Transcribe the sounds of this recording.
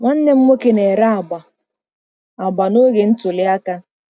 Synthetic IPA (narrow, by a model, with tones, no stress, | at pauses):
ŋʷa˦n̩˦ne˦m̩˦mo˦ke˦ne˨ɾa˦a˨ɡ͡ba˨ | a˨ɡ͡ba˨no˦ɣe˨n̩˦tʊ˨lɪ˦a˦ka˦